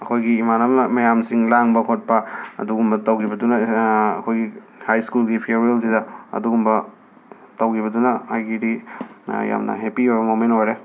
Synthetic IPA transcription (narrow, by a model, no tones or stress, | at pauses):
ɐkʰojɡiːmanɐmnɐmɐjamsiŋlaŋbɐkʰot̚paɐ̰duɡumbɐtɐwkʰibɐdunɐɐkʰojɡi | hajskulɡipʰieɾels̬idɐɐ̰duɡumbɐ | tɐwkʰiβɐdunɐhajɡidi | ja̰mnɐ̰ɦepiojbɐmomentojɾe